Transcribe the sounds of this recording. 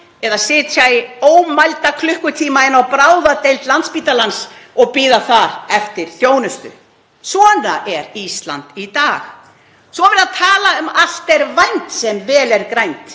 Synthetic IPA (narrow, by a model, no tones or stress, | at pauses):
ɛðasɪːt̪ʰajoːwmajlt̪akʰlʏhkʏt̪ʰiːmaɪnːawpɾaːwðat̪ejlt̪lant̪spiːt̪alansɔɣpiːðaθaɾɛft̪ɪɾ̥θjoːwnʏst̪ʏ̰ | svɔːna̰ʔɛɾist̪la̰nt̪it̪aːx | svɔvɪɾaðt̪ʰaːlaʏmal̥t̪ɛɾvajnt̪sɛmvɛːlɛɾkɾajnt̪